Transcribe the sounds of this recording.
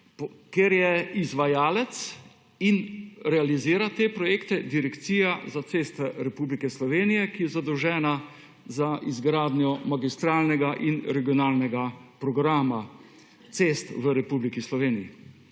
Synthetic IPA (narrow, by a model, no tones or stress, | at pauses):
keɾjɛizʋajaːlɛt̪s | inɾɛaliziːɾat̪epɾɔjeːkt̪ɛd̪iɾɛkt̪siːjazat̪seːst̪ʋɛɾɛpuːblikɛslɔʋeːnijɛkijɛzad̪ɔwʒɛːna | zaʔizɡɾaːd̪njɔmaɡist̪ɾaːlnɛɡaʔinɾɛɡijɔnaːlnɛɡapɾɔɡɾaːma | t̪seːst̪ʋəɾɛpublikislɔʋeːniji